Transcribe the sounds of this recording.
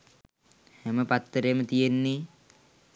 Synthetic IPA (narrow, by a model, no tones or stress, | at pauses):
hɛməpat̪ːəɾemət̪ijenːi